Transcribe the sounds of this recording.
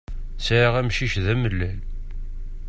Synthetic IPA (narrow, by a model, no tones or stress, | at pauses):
sʕaʁæmʃiçðæməlːæl